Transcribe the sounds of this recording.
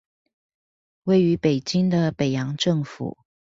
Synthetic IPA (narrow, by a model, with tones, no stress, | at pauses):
we˥˩ɪy˧˥pe˨˩ɪt͡ɕi˥ŋd̪ə˨pe˨˩ɪjɑ˧˥ŋʈ͡ʂɤ˥˩ŋfṵ˨˩˦